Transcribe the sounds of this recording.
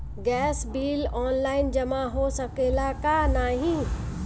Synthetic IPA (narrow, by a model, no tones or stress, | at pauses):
ɡɛːsbiːlɔːnlaːɪnd͡ʒɐmaɦosɐkelaːkanaːɦĩ